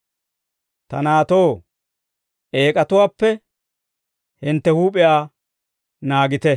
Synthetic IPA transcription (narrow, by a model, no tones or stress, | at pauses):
t̪ɐnaːt̪o̞ː | ʔeːkʼɐt̪ʊwaːpːɛ | hɪnt̪ːɛhuːpʼɪjaː | naːɡɪt̪ɛ